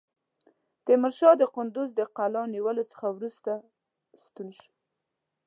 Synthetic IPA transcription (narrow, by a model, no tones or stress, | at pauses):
t̪əmɪɾʃɑd̪əqʊnd̪ʊzd̪əqalɑniwəlot͡sə̥xawɾust̪a | st̪unʃ